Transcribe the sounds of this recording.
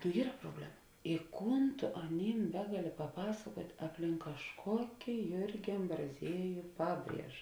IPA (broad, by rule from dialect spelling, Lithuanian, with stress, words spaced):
nʊ ˈiːrɐ proːˈbʲlʲæːmɐ ɪ ˈkuːn tʊ ɐˈnʲiːm ˈbʲæːɡɐˌlʲɪ pɐˈpɑːsɐkuɔtʲ ɐpʲˈlʲɪŋk kɐʃˈkoːkʲɪ ˈjʊrʲɡʲɪ ɐmbrɐˈzʲiɛjʊ ˈpɑːˌbʲrʲiɛʒɐ